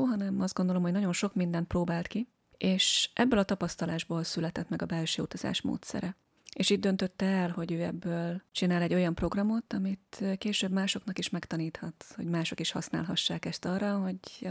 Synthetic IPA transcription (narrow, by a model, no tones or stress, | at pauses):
oːɦɒnɛmɒzd̪ɡo̞nd̪olo̞mho̞ɟnɒɟo̞nʃo̞kmind̪ɛnt̪̚proːbaːlt̪ki | eːʃʔɛbːøːlɒt̪ɒpɒst̪ɒlaːʒboːlsylɛt̪ɛt̪mɛɡɒbɛlʃɛːṵt̪ɒza̰ːʃmo̰ːt̪sɛ̰ɾɛ | eːʃiːd̪d̪ø̞nt̪ø̞t̪ːɛɛlho̞ɟøːɛbːøːlt͡ʃinaːlɛɟːo̞jɒmpro̞ɡrɒmo̞t̪ɒmit̪ːkeːʃøːbmaːʃo̞knɒkiʃmɛkt̪ɒniːt̪hɒt̪ho̞̰ɟmaːʃo̞kiʃhɒsna̰ːlɦɒʃːaːkɛst̪ɒrːɒɦo̞ɟ